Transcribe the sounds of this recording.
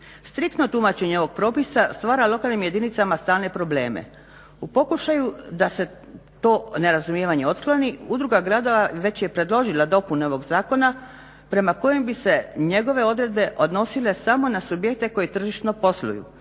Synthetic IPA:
st̪ɾik̚t̪no̞t̪umat͡ɕe̞ɲeo̞ʋo̞ɡ̚pɾo̞pisast̪ʋaːɾalˠo̞kalnimje̞d̪init̪samast̪aːlne̞pɾo̞ble̞ːmḛ | upo̞kuʃajud̪ase̞ | t̪o̞ːne̞ɾazumjeʋaɲeo̞t̪kloniud̪ɾuɡaɡɾad̪o̞ʋaʋe̞t͡ɕje̞pɾe̞d̪lˠo̞ʒilad̪o̞puneo̞ʋo̞ɡzaːko̞na | pɾe̞mako̞jembise̞ɲe̞ɡo̞ʋe̞o̞d̪ɾe̞d̪̚be̞ʔo̞d̪no̞sile̞samo̞nasubje̞k̚t̪e̞ko̞jet̪r̩ʒiʃt̪no̞po̞slṵjṵ

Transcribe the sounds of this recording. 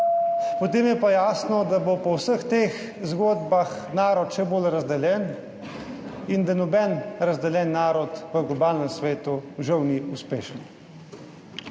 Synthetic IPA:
pɔt̪eːmjɛpajaːsnɔd̪abopɔwsəxt̪eːx | zɡoːd̪baxnaːɾɔt̪ʃɛbolɾazd̪ɛljɛn | ind̪anɔbɛnɾazd̪ɛljɛːnːaːɾɔt̪ʋəɡlɔbaːlnɛmsʋeːt̪uʒɛwniuspeːʃən

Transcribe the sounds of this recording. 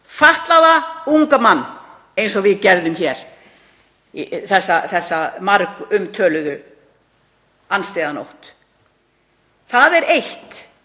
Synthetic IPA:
faht̪laðauŋkamanː | ejns̬ɔɣvɪðcɛɾðʏmçɛɾ̥ | θɛsːaθɛsːamaɾkʏmt̪ʰœːlʏðʏ | anst̪eːðano̰wht̪ | θaðɛɾejht̪

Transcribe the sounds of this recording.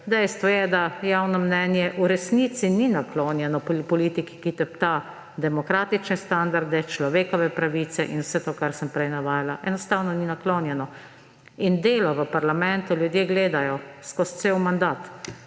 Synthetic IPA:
d̪ɛjst̪ʋɔjɛd̪ajaːwnɔmnɛːnjɛʔuɾɛsnit̪sininakloːnjɛnɔppɔliːt̪iki̥kit̪ɛpt̪a | d̪ɛmɔkɾaːt̪it͡ʃnɛst̪and̪aɾd̪ɛt͡ʃlɔʋeːkɔʋɛpɾaʋiːt̪sɛ̰ʔinwsɛt̪oːkaɾsəmpɾɛjnaʋaːjalaʔɛnɔst̪awnɔninakloːnjɛnɔ | ind̪eːlɔʋəpaɾlamɛnt̪uljud̪jeɡleːd̪ajɔskɔst̪sewmand̪aːt̪

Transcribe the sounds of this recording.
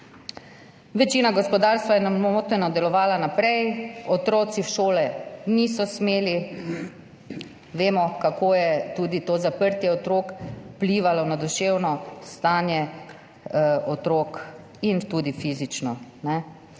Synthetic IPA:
ʋɛt͡ʃiːnaɡɔspɔd̪aɾst̪ʋajɛnamot̪nɛnɔd̪ɛlɔʋaːlanapɾɛjɔt̪ɾoːt̪siwʃoːlɛnisɔsmeːli | ʋeːmɔkakojɛt̪uːd̪it̪oːzapəɾt̪jɛɔt̪ɾoːkpliʋalɔnad̪uʃewnɔst̪aːnjɛ | ʔɔt̪ɾoːk | int̪uːd̪ifizit͡ʃnɔnɛ

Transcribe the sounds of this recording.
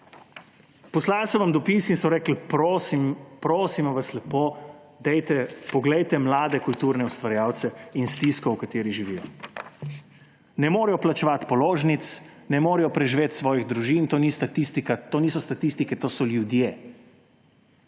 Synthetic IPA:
pɔslaːlsɔʋamd̪ɔpisinsɔɾɛːkl̩pɾosimpɾoːsimɔʋaslɛpoː | d̪ɛjt̪ɛpɔɡlɛjt̪ɛmlaːd̪ɛkult̪uːɾnɛust̪ʋaɾjaːwt̪sɛinst̪iskɔwkat̪eːɾiʒiʋiːjɔ | nɛmoːɾɛjɔplat͡ʃɛʋat̪pɔloːʒnit̪snɛmoːɾɛjɔpɾɛʒiʋeːt̪sʋɔːjiɣd̪ɾuʒint̪oːnist̪at̪ist̪ikat̪oːniːsɔst̪at̪ist̪ikɛt̪oːsɔljud̪je

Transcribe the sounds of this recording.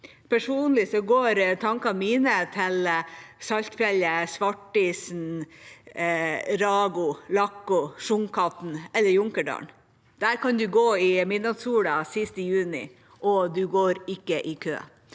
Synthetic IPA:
pʰæʂuːnlɪsɔɡoːɾt̪ʰɑŋkɑmiːnət̪ʰɪlsɑlt̪fjɛləsʋɑʈːiːsn̩ | ɾɑːɡʊlɑkːʊʂʊŋkʰɑt̪n̩ɛlːəɾjʊŋkəɖɑ̰ːɳ | d̪̥æːɾkʰɑnd̪ʉɡoːɪmɪd̪nɑd̪suːɽɑsɪst̪əjʉːnɪ̰ | ʔɔd̪ʉɡoːɾɪkːəʔɪkʰø̰ː

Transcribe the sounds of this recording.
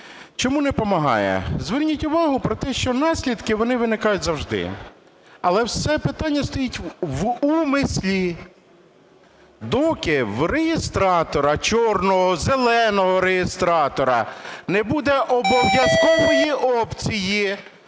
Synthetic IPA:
t͡ʃɔmunɛpɔmɐɦɑ̰jɛ̰zʋɪrnʲitʲʊʋɑɦʊpɾɔt̪ɛʃt͡ʃɔnɑsʲlʲid̪kɪʋɔnɪʋɪnɪkɑjʊtʲzɐwʒd̪ɪ̰ | ɐlˠɛwsɛpɪt̪ɑnʲːɐst̪ɔjitʲʋumɪsʲlʲi | d̪ɔkɪwrejɪst̪ɾɑt̪ɔɾɐt͡ʃɔrnɔɦɔzelˠɛnɔɦɔɾejɪst̪ɾɑt̪ɔɾɐ̰nebud̪ɛʔɔbɔʋʲjɐzkɔʋɔjiʔɔpt͡sʲiji

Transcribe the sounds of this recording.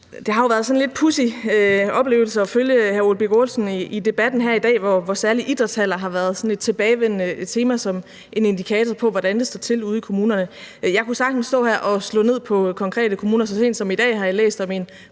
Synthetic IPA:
d̥e̝hɑ̈jo̝ʋæɐðˠsɒ̽nle̝d̥̚pʰusiøɒ̽b̥le̝̰ːʊl̩sɐɒ̽føljəhæɐolb̥iɡ̥o̝lsn̩iid̥e̝b̥æd̥n̩ɦæɐ̰id̥ɛ̰ːʋɒʋɒsæɐliʔid̥ʁɐt͡sʰæl̰ɐɦɑ̈ʋæːɐð̞̩ˠsɒ̽ne̝d̥̚t͡sʰe̝b̥ɛːɪʋenet͡sʰe̝ːmæsɒ̽m | ʔe̝ne̝nd̥ikʰɛːt͡sʰɒpʰɒ̽ʋɒd̥ænd̥e̝sd̥ɒt͡sʰe̝luðˠikʰo̝muːnɐnəjɑ̈ɪkʰusɑ̈ɡ̥n̩sd̥ɔ̰̽ːhæɐ̰ʔɒ̽slɔ̰̽ːne̝ð̰ˠpʰɒ̽kʰɒ̽ŋkʰʁɛ̰ːd̥əkʰo̝muːnɐsɒ̽se̝̰ːnd̥sɒ̽mid̥ɛ̰ːɦɑ̈jɑ̈lḛːsd̥ɒ̽men

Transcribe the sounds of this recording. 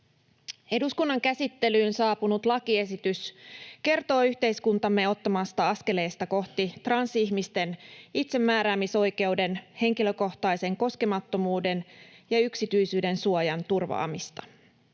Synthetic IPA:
e̞duskunːɑŋkæsit̪ːe̞lyːnsɑːpunut̪lɑkie̞sit̪yske̞rt̪o̞ːyçt̪e̞jskunt̪ɑmːe̞o̞t̪ːɑmɑst̪ɑɑske̞le̞ːst̪ɑko̞ht̪it̪rɑnsiçmist̪e̞nit̪se̞mːæːɾæːmiso̞jke̞wde̞nhe̞ŋkilø̞ko̞ht̪ɑjse̞ŋko̞ske̞mɑt̪ːomuːde̞njɑyksit̪yjsyːde̞nsuojɑnt̪urʋɑ̰ːmist̪ɑ̥

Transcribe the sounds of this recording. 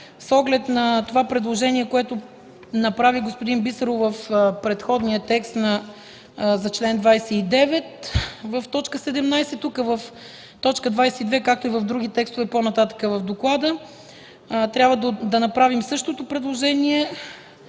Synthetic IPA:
sɔɡlɛt̪nɐt̪ovapɾɛd̪lˠoʒɛniɛkoɛt̪o | nɐpɾaviɡospʊd̪inbisəɾʊvəfpɾɛt̪xɔd̪niət̪ɛkst̪nɐ | zɐt͡ʃlɛnd̪vajsɛid̪ɛvɛt̪vəft̪ɔt͡ʃkəsɛd̪ɛmnajsɛt̪ːukəvəf | t̪ɔt͡ʃkəd̪vajsɛid̪vɛkak̚t̪oivəvd̪ɾuɡ̟it̪ɛkst̪ovɛponɐt̪at̪ə̥kəvəvd̪oklˠad̪ə | t̪ɾʲabvəd̪od̪ɐnɐpɾavimsɤʃt̪ot̪opɾɛd̪lˠoʒɛniɛ

